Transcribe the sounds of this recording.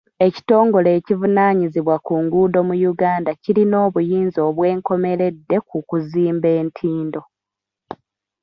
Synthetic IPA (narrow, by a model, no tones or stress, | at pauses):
e̞ci̥to̞ːŋɡo̞le̞ːcivunaːɲiziβwakuŋɡuːdo̞mujuɡaːndaciɾino̞ːβujiːnzo̞ːβwe̞ːŋko̞me̞ɾe̞dːe̞kukuziːmbe̞ːntʰiːndo̞